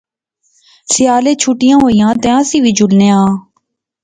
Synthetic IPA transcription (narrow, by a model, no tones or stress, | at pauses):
sɪjaːleːt͡ʃʰuːʈɪjãːɦoːijãːt̪eãːsiːʋiːd͡ʒʊlnẽːãː